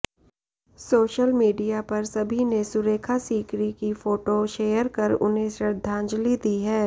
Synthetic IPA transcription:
soːʃəlmiːɖijapɐɾsɐbʱinesʊɾeːkʰasiːkɾikifoːʈoʃeːjəɾkɐɾʊ̰nɦẽʃɾəɾd̪ʱːãːɲd͡ʒlid̪iɦɛː

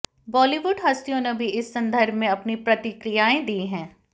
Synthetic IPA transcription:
bɔːliʋʊɖɦɐst̪ijõnebʱiɪsːɐ̃nd̪ʱəɾbʱmẽɐpnipɾɐt̪ɪkɾijaːẽd̪iɦɛ̃ː

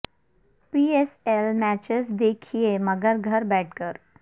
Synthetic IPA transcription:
pieselmæt͡ɕəsd̪ekʰijeməɡəɾɡʱəɾbɛʈ̚kəɾ

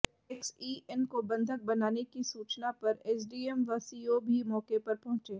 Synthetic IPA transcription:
eksiːɛnkobɐ̃nd̪ʱək̚bɐnaːnekisuːt͡ʃnapɐɾɛːs̬ɖiːɛmʋɐsiːobʱimɔːkepɐɾpɐɦʊ̃t͡ʃeː

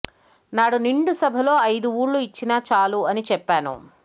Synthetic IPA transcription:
naːɽuniɳɖusɐbʱɐlo̞ːɐjd̪uuːɽluit͡ʃːinaːt͡ʃaːluɐnit͡ʃɛpːaːnṵ

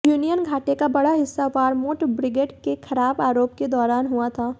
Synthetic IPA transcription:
juːnijənɡʱaːʈekabɐɽaɦɪsːaʋaːɾmoːʈbɾɪɡeːɖkexʰɐɾaːbaːɾoːp̚ked̪ɔːɾaːnɦuat̪ʰaː

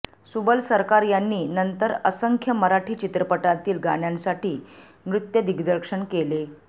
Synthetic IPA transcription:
subəlsəɾkaɾjanːiːnənt̪əɾəsəŋkʰjəməɾaʈʰiːt͡ɕit̪ɾəpəʈat̪iːlɡaɳjãnsaʈʰiː | mɾut̪jəd̪iɡd̪əɾkʂəɳkele

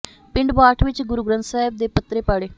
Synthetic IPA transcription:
pɪɳɖbaːʈʰʋɪt͡ʃɡʊɾuːɡɾə̃nt̪saːɦɪb̚d̪eːpət̪ɾeːpaːɽeː

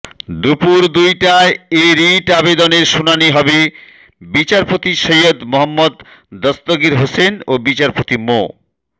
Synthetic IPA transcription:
d̪upuɾd̪ujʈaeeɾiʈabed̪oneɾʃunaniɦɔbe | bit͡ɕaɾpot̪iʃojod̪moɦamːod̪ː | ɔst̪oɡiɾɦosenobit͡ɕaɾpot̪imo̰

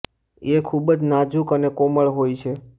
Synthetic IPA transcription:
ekʰubd͡ʒnad͡ʒukənekoməɭɦojt͡ʃʰe

